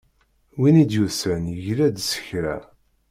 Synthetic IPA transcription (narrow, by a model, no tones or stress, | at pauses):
winid̪jusənjəʝlæd̪sə̥çɾæ̰